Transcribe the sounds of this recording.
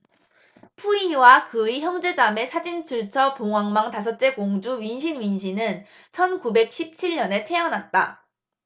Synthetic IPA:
pʰuiwakɯiçjʌŋd͡ʑe̞d͡ʑame̞sʰad͡ʑint͡ɕʰuɭt͡ɕʰʌpoŋwaŋmaŋtas̬ʰʌt̚t͡ɕ͈e̞koŋd͡ʑuɥinɕ̬ʰinɥinɕʰinɯn | t͡ɕʰʌnkube̞k̚ɕʰip̚t͡ɕʰiɭɲʌne̞tʰe̞jʌnɦat̚t͈a̰

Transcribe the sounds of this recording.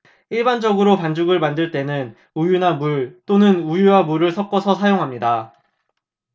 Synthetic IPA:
iɭband͡ʑʌɡɯɾopand͡ʑuɡɯɭmandɯɭt͈e̞nɯn | ujunamuɭt͈onɯnujuwamuɾɯɭsʰʌk͈ʌsʰʌsʰajoŋɦamɲida

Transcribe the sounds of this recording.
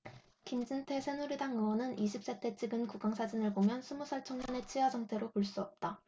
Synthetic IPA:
kind͡ʑɯntʰe̞sʰe̞nuɾidaŋɯwʌnɯniɕʰip̚s͈etʰe̞t͡ɕʰiɡɯnkuɡaŋsʰad͡ʑinɯɭbomjʌnsʰumusʰʌɭt͡ɕʰʌŋɲane̞t͡ɕʰiwad͡ʑʌŋtʰe̞ɾopoɭs͈uʌp̚t͈a

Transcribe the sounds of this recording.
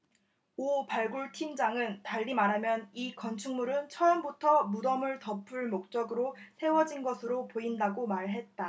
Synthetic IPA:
opaɭɡuɭtʰimd͡ʑaŋɯntaʎːimaɾɦamjʌnikʌnt͡ɕʰuŋmuɾɯnt͡ɕʰʌʌmbutʰʌmudʌmɯɭtʌpʰɯɭmok̚t͡ɕ͈ʌɡɯɾosʰe̞wʌd͡ʑinɡʌsʰɯɾopoindaɡomaɭɦe̞t̚t͈a

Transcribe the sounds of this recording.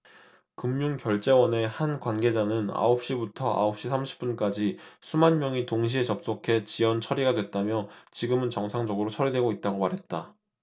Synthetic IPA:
kɯmːjuŋkjʌɭt͡ɕ͈e̞wʌne̞hankwanɡe̞d͡ʑanɯna̰op̚ɕ͈ibutʰʌʔa̰op̚ɕ͈isʰamɕʰi̥p͈unk͈ad͡ʑisʰumanmjʌŋitoŋɕ̬ʰiet͡ɕʌp̚s͈okʰe̞t͡ɕiʌnt͡ɕʰʌɾiɡadwe̞t̚t͈amjʌt͡ɕiɡɯmɯnt͡ɕʌŋsʰaŋd͡ʑʌɡɯɾot͡ɕʰʌɾidwe̞ɡoit̚t͈aɡomaɾɦe̞t̚t͈a

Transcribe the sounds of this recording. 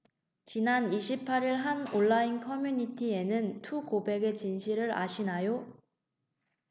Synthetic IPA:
t͡ɕinaniɕʰipʰaɾiɭɦanoɭːainkʰʌmjuɲitʰie̞nɯntʰukobe̞ɡe̞t͡ɕinɕʰiɾɯɾa̰ɕʰinajo

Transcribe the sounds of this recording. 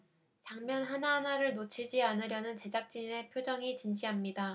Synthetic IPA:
t͡ɕaŋmjʌnɦanaɦanaɾɯɭnot͡ɕʰid͡ʑianɯɾjʌnɯnt͡ɕe̞d͡ʑak̚t͡ɕ͈ine̞pʰjod͡ʑʌŋit͡ɕind͡ʑiɦamɲida

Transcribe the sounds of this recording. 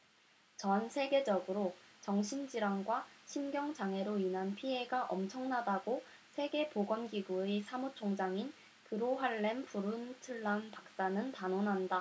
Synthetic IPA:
t͡ɕʌnsʰe̞ɡe̞d͡ʑʌɡɯɾot͡ɕʌŋɕʰind͡ʑiɾaŋɡwaɕʰimɡjʌŋd͡ʑaŋɦe̞ɾoinɦanpʰie̞ɡaʔʌmt͡ɕʰʌŋnadaɡo | sʰe̞ɡe̞poɡwʌnɡiɡuesʰamot͡ɕʰoŋd͡ʑaŋin | kɯɾoɦwaɭːe̞mpuɾuntʰɯɭːanpak̚s͈anɯntanonɦanda

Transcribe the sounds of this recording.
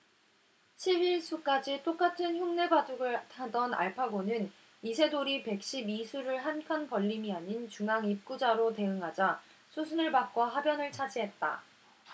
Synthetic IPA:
ɕʰibiɭsʰuk͈ad͡ʑit͈ok͈atʰɯnçuŋne̞baduɡɯɭtʰadʌna̰ɭpʰaɡonɯn | isʰe̞doɾipe̞k̚ɕ͈ibisʰuɾɯɭɦankʰanpʌʎːimiaɲint͡ɕuŋɦaŋip̚k͈ud͡ʑaɾote̞ɯŋɦad͡ʑa | sʰusʰunɯɭpak̚k͈ʌɦabjʌnɯɭt͡ɕʰad͡ʑiɦe̞t̚t͈a̰

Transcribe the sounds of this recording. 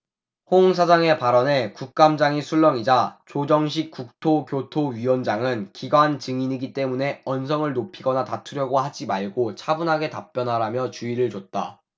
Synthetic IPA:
hoŋs̬ʰad͡ʑaŋe̞paɾʌne̞kuk̚k͈amd͡ʑaŋisʰuɭːʌŋid͡ʑat͡ɕod͡ʑʌŋɕ̬ʰik̚k͈uk̚tʰokjotʰoɥiwʌnd͡ʑaŋɯnkiɡwant͡ɕɯŋiɲiɡit͈e̞mune̞ʌns̬ʰʌŋɯɭnopʰiɡʌnatatʰuɾjʌɡohad͡ʑimaɭɡot͡ɕʰabunɦaɡe̞tap͈̚jʌnɦaɾamjʌt͡ɕuiɾɯɭt͡ɕot̚t͈a̰

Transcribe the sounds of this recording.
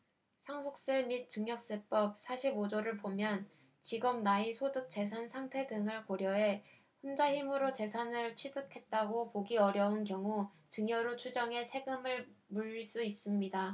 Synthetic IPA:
sʰaŋsʰok̚s͈emit̚t͡ɕ͈ɯŋɲʌk̚s͈ep͈ʌp̚sʰaɕʰibod͡ʑoɾɯɭpomjʌn | t͡ɕiɡʌm̚naisʰodɯk̚t͡ɕ͈e̞sʰansʰaŋtʰe̞dɯŋɯɭkoɾjʌɦe̞ | ɸond͡ʑaçimɯɾot͡ɕe̞sʰanɯɭt͡ɕʰɥidɯkʰe̞t̚t͈aɡopoɡiʌɾjʌunkjʌŋu | t͡ɕɯŋɲʌɾot͡ɕʰud͡ʑʌŋe̞sʰe̞ɡɯmɯɭmuʎs͈uis͈ɯmɲida

